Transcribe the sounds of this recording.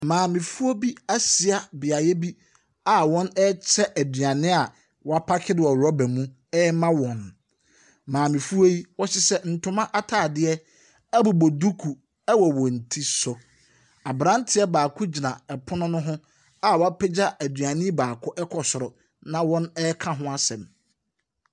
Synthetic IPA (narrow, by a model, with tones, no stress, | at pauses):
mãː˨mĩ˨fu˦o˦bi˦a˦si˨a˦bɪ˨a˨jɛ˦bi˦ | a˨wɔ̃˦nɛ˦t͡ɕʰɛ˦ʔæ˨dɥa˨nɪ̃˦a˨ | wɔ˨˦a˦pʰa˦kʰɪ˦dwɔ˨ɾɔ˦bæ˨mũ˦ | ɛ˦mã˦wɔ̃˨n | mãː˨mɪ̃˨fu˦o˦ji˦wɔ˦ɕɪ˦sɛ˦n̩˨tʰʊ̃˦mã˦ʔa˦tʰaː˨dɪ˦ɛ˦ | æ˦bu˨bo˨du˦kʰu˨ | ɛ˦wɔ˨wɔ̃˨n̩˨tʰi˦sɔ˨ | a˨bɾã˦n˦tʰɪ˨˦ɛ˦baː˨kʰʊ˦d͡ʑi˨nã˨ɛ˨pʰʊ˦nʊ̃˦nʊ̃˦ɦʊ̃˦ | a˨wɔ˨a˦pʰɛ˦d͡ʑa˦ʔæ˨dɥã˨nɪ̃˦baː˨kʰʊ˦ʔɛ˦kʰɔ˨sʊ˨ɾɔ˨ | nã˦˨wɔ̃˦nɛ˦kʰã˦ɦʊ̃˦a˦sɛ̃˨m